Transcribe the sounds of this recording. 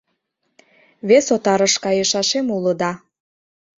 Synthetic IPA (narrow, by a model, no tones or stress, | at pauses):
βesot̪ɑɾəʃkɑjeʃɑʃemuləd̪ɑ